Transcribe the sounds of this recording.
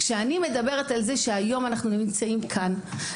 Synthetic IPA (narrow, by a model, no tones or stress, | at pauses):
kʃeanime̞d̪abe̞ʁetalze̞ʃeajo̞manaχnunimt͡saimkʰan